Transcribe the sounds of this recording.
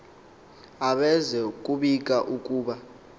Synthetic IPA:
aɓɛzɛkʼuɓikʼaʔukʼuːɓa

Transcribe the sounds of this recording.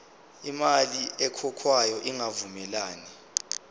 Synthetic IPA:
imaliɛkʰɔkʰwajɔʔiŋavumɛlaːni

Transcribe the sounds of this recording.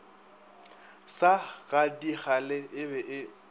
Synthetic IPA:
saɣadiχalɪːbɛʔɪ

